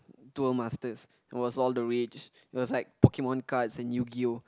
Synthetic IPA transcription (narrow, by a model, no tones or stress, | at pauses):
tɛlmastəs | t̚wɔsɔldəɹit͡ʃ | ɪt̚wɔslaɪk̚pɔkemɔ̃nkatsɛ̃nːjuɡio